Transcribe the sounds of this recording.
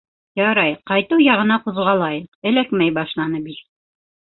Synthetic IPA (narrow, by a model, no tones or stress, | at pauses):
jɑɾɑjqɑjt̪uwjɑʁɤ̆nɑquðʁɑlˠɑjɤqɘ̆lækmæjbɑʃlˠɑnɤbit̪